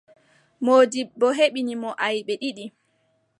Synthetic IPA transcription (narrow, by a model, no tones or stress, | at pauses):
moːdibbːɔɦeɓinimɔʔajɓɛɗiɗi